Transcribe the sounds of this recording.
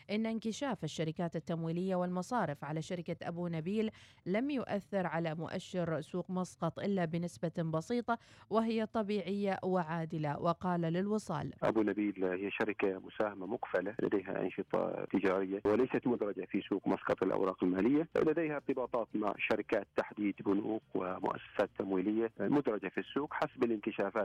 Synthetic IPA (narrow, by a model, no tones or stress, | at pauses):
ʔɪnːaɪnkɪʃaːfɪʃːaɾɪkaːt̪ɪt̪ːamwiːlɪjːawɪlmɑsˤɑːɾɪfʕalaʃaɾɪkaʔabuːnabiːlːamjʊʔaθːɪɾʕalamʊʔa̰ʃːɪɾsuːqmɑsqɑt̪ˤʔɪlːabɪnɪsbabɑsiːt̪ˤɑwɪɦɪjːat̪ˤɑbiːʕɪjːawɪʕaːd̪ɪlawʔɪqɑːlalɪlwɨsˤɑ̰ːlʔa̰buːnabiːlhɪjːaʃaɾɪkamʊsaːhamamʊqfalala̰d̪ejɦa̰ʔɑ̰nʃɨt̪ˤɑ̰t̪ɪd͡ʒaːɾɪjːawɪlajsat̪mʊd̪ɾˤɑd͡ʒafisuːqmɑsqɑt̪ˤɪlʔa̰wɾˤɑːqɪlmaːlɪjːalad̪ejhaɾt̪ɨbɑːt̪ˤɑːt̪ma̰ʕʃɑɾɪkaːt̪ːaħd̪iːd̪bʊnuːqwɪ̰mʊ̰ʔa̰sːḁsaːt̪ʰːamwiːlɪjːalmʊd̪ɾˤɑd͡ʒafisːuːqħasbɪlɪnk̪ɪʃaːfaːt̪